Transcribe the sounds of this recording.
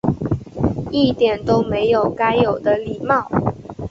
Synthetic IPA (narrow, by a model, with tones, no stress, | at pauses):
i˥˩t̪jɛ˨˩nt̪o˥ʊme˧˦ɪjo˨˩ʊka˥ɪjo˨˩ʊd̪ə˦li˨˩mɑ˥˩ʊ